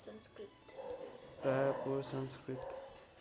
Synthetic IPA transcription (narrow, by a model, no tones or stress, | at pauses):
skt̪ | prajʌkosʌŋskrit̪